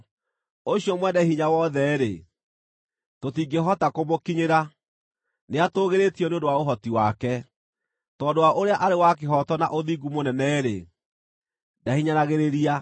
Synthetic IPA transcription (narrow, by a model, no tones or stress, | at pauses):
oɕjɔmwɛdahiɲawɔðɛɾe | totiːɡeɦɔtakomokiɲeɾa | neatoːɣeɾetiɔneodowaoɦɔtiwakɛ | tɔdowaʔoɾeaʔaɾewak̬eɦɔtɔna̰ʔoðiɡumonɛnɛɾḛ | dahiɲanaɣeɾeɾia